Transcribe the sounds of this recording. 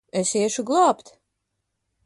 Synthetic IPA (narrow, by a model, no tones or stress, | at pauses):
esiɛʃuɡlˠaːpt̪